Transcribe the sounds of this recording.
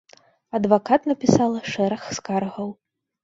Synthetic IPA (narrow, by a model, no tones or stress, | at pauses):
ɐd̪vakat̪nɐpʲisalˠɐʂɛɾɐxskarɣɐw